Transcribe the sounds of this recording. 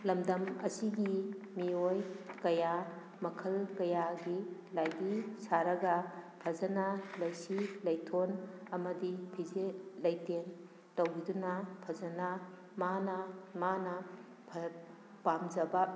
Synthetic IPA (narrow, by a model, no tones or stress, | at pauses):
lɐmdɐmɐ̰siɡi | miojkɐja | mɐkʰɐlkɐjaɡilajdisaɾɐɡɐpʰɐzɐnalɐjsilɐjtʰonɐmɐdipʰizelɐjten | tɐwɡidunɐpʰɐzɐna | manɐmanɐ | pʰɐ | pamzɐba